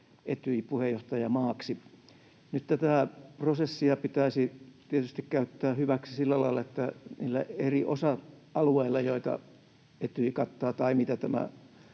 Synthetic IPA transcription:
ʔet̪yipuhejjoht̪ɑjɑmɑːksi | nyt̪t̪æt̪æˑprosesːiɑpit̪æisit̪iet̪yst̪ikkæyt̪ːæːhyʋæksi̥silːælɑilːˑɑet̪ːæniːlːæ̰eriʔosɑɑlueilːɑjoit̪ɑ̰ | et̪yikɑt̪ːɑːt̪ɑimit̪æt̪æmæ̰

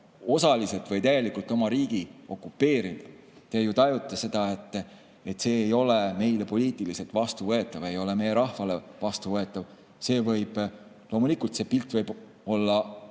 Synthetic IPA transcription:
o̞sɑlise̞lt̪vɤjt̪æjɡe̞likult̪ːˑo̞mɑɾiːɡ̥io̞kːupːe̞ːɾil | t̪ejut̪ɑjut̪ːˑɑse̞d̪̥ɑe̞t̪ːˑ | e̞t̪ːse̞ːjo̞leme̞jlepo̞liːt̪ˑilise̞lt̪vɑst̪uvɤet̪ːˑɑve̞jo̞le̞me̞jeɾɑhvɑlevɑst̪uvɤe̞t̪ːˑɑv | se̞ːvɤjb̥ | lo̞mulikːˑult̪se̞ːpilt̪vɤjb | o̞lːɑ

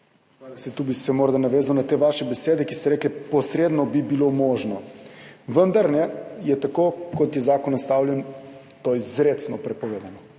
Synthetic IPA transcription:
alasɛt̪ubisɛmoːɾd̪anaʋeːzawnat̪eːʋaːʃɛbɛseːd̪ɛkist̪ɛɾɛːklɛpɔsɾeːd̪nɔbibilomɔːʒnɔ | ʋənd̪aɾnɛjɛt̪akoːkɔt̪jɛzaːkɔnst̪awljɛn | t̪oːizɾet̪snɔpɾɛpɔʋeːd̪anɔ

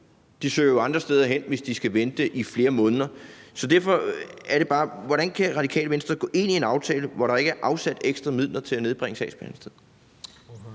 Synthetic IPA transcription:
d̥isø̰ːɐjoɑ̈nd̥ʁɐsd̥eːð̞ˠɐɦen̰ʋe̝sd̥isɡ̥æʋend̥eʔifle̝ːɐmɔ̽ːnðˠɐsɒ̽d̥æɐfɒ̽æɐɾe̝b̥ɑ̈ːʋɒɾænkʰæʁɑ̈d̥ikʰɛ̰ːləʋensd̥ɐɡ̥ɔ̰̽ːʔe̝n̰ie̝nɑ̈ʊt͡sʰɛːləʋɒɾɑ̈e̝ɡ̥æɐʔɑ̈ʊsæd̥eɡ̥sd̥ʁɐmið̰ˠlɐt͡sʰe̝læne̝ð̞ˠb̥ʁeŋəsɛ̰sb̥ʰænsd̥eð̰ˠ

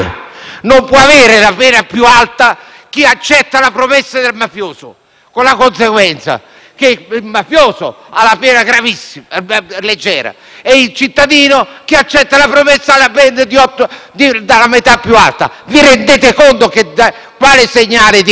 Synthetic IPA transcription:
nompwɔaveːɾɪlapɛːnapjualt̪a | k̟iat͡ʃːɛt̪ːalapɾomesːad̪elmafjoːso̰ | konlakonseɡwɛnt̪sa̰ | keilmafjoːso̰ | alapɛːnaɡɾavisːiled͡ʒːɛ̰ːɾa̰ | eilt͡ʃit̪ːad̪iːnok̟iat͡ʃːɛt̪ːalapɾomesːalapɛnd̪ed̪iɔt̪ːod̪id̪alamet̪apːjua̰lt̪a̰ | viɾend̪eːt̪ɪkont̪oked̪a | kwaːlɪseɲːaːlɪd̪

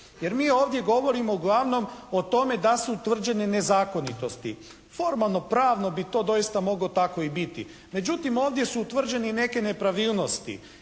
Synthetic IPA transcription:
je̞ɾmiːo̞ːʋd̪je̞ɡo̞ʋo̞ɾimo̞uɡlˠaʋno̞mot̪o̞me̞d̪asut̪ʋr̩d͡ʒe̞nene̞zaːko̞nit̪o̞st̪ḭ | fo̞ɾmalˠno̞pɾaːʋno̞bit̪o̞ːd̪o̞jist̪amo̞ɡlo̞t̪ako̞ibit̪ḭ | me̞d͡ʒut̪imoːʋd̪je̞suut̪ʋr̩d͡ʒe̞nine̞ke̞ne̞pɾaʋiːlˠno̞st̪ḭ

